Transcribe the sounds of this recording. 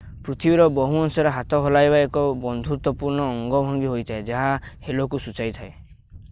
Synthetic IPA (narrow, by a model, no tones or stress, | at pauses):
pɾut̪ʰibiɾɔbɔɦuɔnsɔɾeɦat̪ɔɦɔlajbaekɔbɔnd̪ʱuɾt̪ɔpuɾnɔːŋɡɔbʱɔŋɡiɦojt̪ʰaed͡ʒaɦahelokusut͡ʃajt̪ʰae